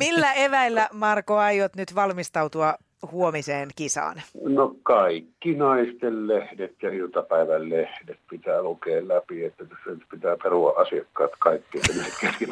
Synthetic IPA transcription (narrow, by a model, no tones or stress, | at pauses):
milːæeʋæilːæmɑrkoɑjot̪nyt̪ʋɑlmist̪ɑut̪uɑ | huomiseːnkisɑ̰ːnnokɑˑikːinɑˑist̪ellehdet̪jɑilt̪ɑpæˑeʋællehdet̪̚pit̪æːlukeːllæpiet̪ːæt̪æsːænyt̪pit̪æːperuɑ̰ʔʔɑsiɑkːɑ̰ːt̪kɑˑikːiet̪ːænæhet̪kæske